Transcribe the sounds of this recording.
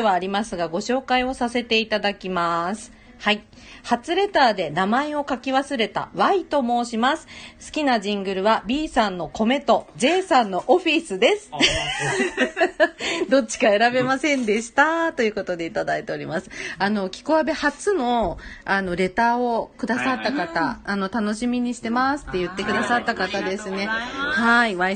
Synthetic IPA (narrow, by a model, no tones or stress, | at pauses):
eβaːɾʲimasɨɡaɡo̞ɕo̞ːkaio̞sase̞t̪e̞it̪ad̪akʲimasɨ̥ | hai | hat͡sɨɾe̞t̪aːd̪e̞namaeo̞kakʲiβasɨɾe̞t̪a̰βait̪o̞mo̞ːɕimasɨ̥sɨ̥kʲinaʑĩŋɡɯ̟ɾɯ̟βabʲiːsãnːo̞ko̞me̞t̪o̞d͡ʑe̞ːsãnːo̞ʔoɸʲisɨd̪e̞sɨ̥ | d̪o̞t͡ɕːi̥kae̞ɾabe̞masẽ̞nd̪e̞ɕi̥t̪at̪o̞jɯ̟ko̞t̪o̞d̪e̞it̪ad̪ait̪e̞o̞ɾʲimasɨ̥ano̞kʲi̥koabe̞hat͡sɨno̞ano̞ɾe̞t̪aːo̞kɯ̟d̪asat̪ːakat̪aːno̞t̪ano̞ɕimʲiɲ̟iɕi̥t̪e̞masɨ̥t̪ːe̞jɯ̟t̪ːe̞kɯ̟d̪asat̪ːakat̪ad̪e̞sɨne̞haiβai